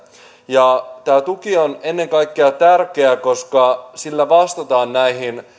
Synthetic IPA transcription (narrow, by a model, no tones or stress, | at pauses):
jɑt̪æːt̪ukione̞nːe̞ŋkɑjkːeɑt̪ærkeæko̞skɑsilːæʋɑst̪ɑt̪ɑːnːæiɦin